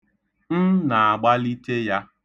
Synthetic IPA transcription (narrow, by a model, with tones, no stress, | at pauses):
n̩˦na˨a˨ɡ͡ba˦li˦te˦ja˦